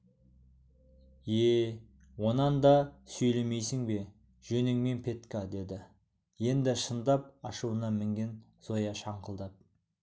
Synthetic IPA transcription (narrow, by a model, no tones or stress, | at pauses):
e | wo̞nɑnd̪ɑsɵjle̞me̞jsɪŋbe̞ | ʒ̥ɵnɪŋme̞npʰe̞t̪kad̪e̞d̪ɪ | je̞nd̪ɪʃənd̪ɑp̚ɑʃuwənɑmɪŋɡʲe̞n | z̥o̞jɑʃɑɴqəlˠd̪ɑp̚